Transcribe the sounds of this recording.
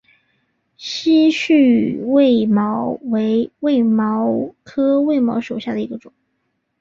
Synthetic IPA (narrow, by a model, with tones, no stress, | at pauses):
ɕi˥ɕy˥˧we˥˩ɪmɑ˧˥ʊwe˧˥ɪwe˥˩ɪmɑ˧˥ʊkʰɤ˥we˥˩ɪmɑ̰˧˥ʊʂo˨˩ʊɕja˥˩d̪ə˩i˧˥ɡə˧ʈ͡ʂʊ˨˩˦ŋ